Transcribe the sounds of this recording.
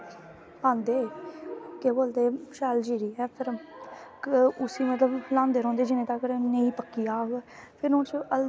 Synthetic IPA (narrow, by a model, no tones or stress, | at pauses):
pãːnd̪eː | keːboːld̪eːʃɛːld͡ʒiːɾiːɛːpʰɪɾ | ʊsiːmət̪ləblãːnd̪eːɾɔ̃ːnd̪eːd͡ʒɪnẽːt̪aːkəɾnəĩːpəkːijaːɡpʰɪɾont͡ʃəl